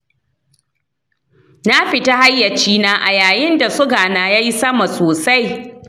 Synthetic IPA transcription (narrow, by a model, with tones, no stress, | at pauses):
na˦ɸɪ˨ta˦ha˦jːɐ˨t͡ʃiː˦naː˦ʔa̰˨jaː˨jɪ˦nda˨sʊ˦ɡaː˨naː˨ja˦ji˦sɐ˦ma˨soː˨sa˦j